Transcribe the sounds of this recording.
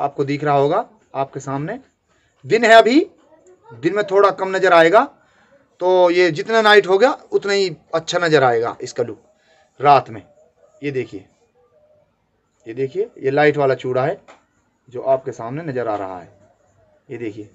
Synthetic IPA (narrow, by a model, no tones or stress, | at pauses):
a̰ːp̚kod̪iːkʰɾɐɦaɦoːɡaː | aːp̚kesaːmne | d̪ɪnɦɛ̃ɐbʱi | d̪ɪnmẽt̪ʰoːɽakɐmnɐd͡ʒəɾaːeːɡaː | t̪oːjed͡ʒɪt̪nanaːɪʈɦoɡɐjaʊt̪naɦiɐtːʃʰanɐd͡ʒəɾaːeːɡa̰ːʔɪskalʊk | ɾaːt̪mẽ | jed̪eːkʰijeː | jed̪eːkʰiejelaːɪʈʋaːlat͡ʃuːɽaɦɛː | d͡ʒoːʔaːp̚kesaːmnenɐd͡ʒəɾa̰ːɾɐ̰ɦa̰ɦɛ̰ː | jed̪eːkʰieː